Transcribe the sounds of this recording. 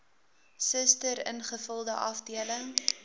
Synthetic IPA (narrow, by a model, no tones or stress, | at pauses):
səstəɾə̰nχəfəlˠdəʔɐfdiələŋ